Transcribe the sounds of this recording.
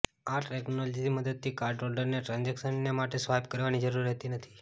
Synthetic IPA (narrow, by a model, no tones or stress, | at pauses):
aʈʰɾɛknɔlisiməd̪əd̪̚t̪ʰikaɾɖɾolɖəɾneʈɾãnd͡ʒeksənːemaʈesʋajb̚kəɾʋanid͡ʒəɾuɾiɦət̪inət̪ʰi